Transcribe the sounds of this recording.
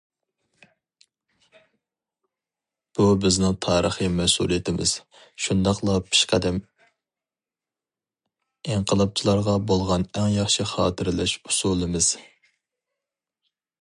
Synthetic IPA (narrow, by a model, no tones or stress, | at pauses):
b̥ubɪznɪŋt̪ʰɑːɾəχɨmɛsṵlˠijet̪ʰɪmɪ̰z̥ | ʃund̪ɑqlˠɑpʰi̥ʃqʰæd̪ɛm | eɴqʰəlˠɑp̚t͡ʃʰilˠɑɾʁɑbolˠʁɑnɛŋjɑχʃiχɑːt̪ʰɨɾlɛʃu̥sulˠɨmɨz̥